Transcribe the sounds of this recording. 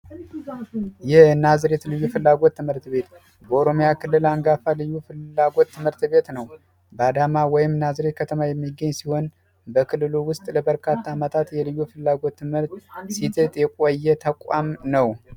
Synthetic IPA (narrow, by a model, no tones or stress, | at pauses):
jɛhnazɾet̪lɨjːufɨlːaɡo̞t̪ːɨmhɨɾt̪βe̞t̪ | bəoɾo̞mojakʰɨlːɨlaŋɡafalɨjːufɨlːaɡo̞t̪ːɨmɨɾt̪be̞t̪nəw | bəad̪amawɔjɪmnazɾet̪̚kʰət̪ʰəmajɛmːiɡːəɲːsiho̞n | bəkʰɨlːɨluwʊst̪ʼləbəɾkʰat̪ʰːaːmət̪ʰat̪jɛlɨjːufɨlːaɡo̞t̪ːɨmhɨɾt̪sit̪ʰet̪ʼjɛkʼojːɛt̪ʰəkʼamnəw